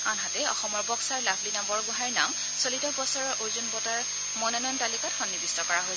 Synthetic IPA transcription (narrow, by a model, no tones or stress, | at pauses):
anɦatɛɔ̰xɔmɔɹbɔksaɹlabʰʱlinambɔɹɡʊɦajɹnam | solitɔbɔsɔɹɔɹʔojzunbɔtaɹ | mɔnɔnɔntalikɔtxɔnːibistɔkɔɹaɦoj